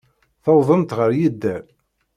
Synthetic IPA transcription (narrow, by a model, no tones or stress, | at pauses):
θɑwðˤəmt̪ʁəɾjid̪ːæ